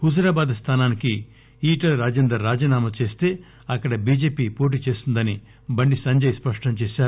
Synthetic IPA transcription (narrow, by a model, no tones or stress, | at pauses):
hud͡ʒɐɾaːbaːd̪st̪ʰaːnaːniki | iːʈɐlɾaːd͡ʒeːnd̪ɾɐːaːd͡ʒiːnaːmɐt͡ʃe̞ːst̪e̞ː | ɐkːɐɽɐbiːd͡ʒe̞ːpiːpo̞ːʈ̬iːt͡ʃe̞ːst̪und̪ɐni | bɐɳɖisɐɲd͡ʒɐjspɐʂʈɐmt͡ʃeːʃaːɾu